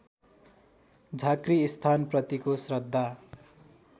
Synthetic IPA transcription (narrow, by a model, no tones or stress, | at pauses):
d͡zʱakriːst̪ʰanprʌt̪ikosrʌd̪ʱːa